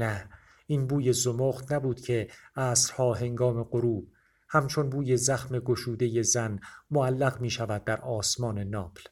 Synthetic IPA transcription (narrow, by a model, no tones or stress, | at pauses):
æ | iːnbuːje̞zomoχt̪næbuːd̪̥cʰe̞æːsɾhɒːɦe̞ŋɡɒːme̞ɢoɾuːb̥ | hæmt͡ʃʰonbuːje̞zæxme̞ɡoʃuːd̪e̞je̞zænmoælːæɣmiːʃævæd̪ːæɾʔɒːsmɒːne̞nɒːb̥l